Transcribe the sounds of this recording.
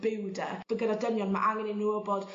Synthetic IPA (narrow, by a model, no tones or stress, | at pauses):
b̥ɪwdɛv̥əɡədadənjɔnma̰ʔaŋɛninuɔbɔd̥